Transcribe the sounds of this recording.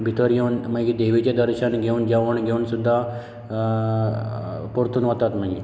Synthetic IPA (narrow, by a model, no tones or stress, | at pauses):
bʱit̪əɾjeunmaɡiːd̪eʋit͡ɕed̪əɾɕənɡʱeuːnd͡ʑaʋuɳɡʱeuːnsud̪ʱːa | poɾt̪uːnɦət̪at̪maɡi